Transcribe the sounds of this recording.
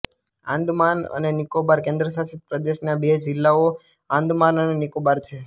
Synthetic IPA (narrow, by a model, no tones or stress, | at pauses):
ã̰nd̪ʱmanə̰nenikobaɾkẽnd̪ɾəs̬asit̪̚pɾəd̪eʃnabed͡ʒɪlːao | ãnd̪ʱmanənenikobaɾt͡ʃʰe